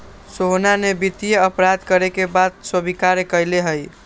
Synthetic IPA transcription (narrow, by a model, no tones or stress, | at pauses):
soɦnanebit̪ijəəpɾad̪kəɾekebad̪swəbikaɾekəjleɦəj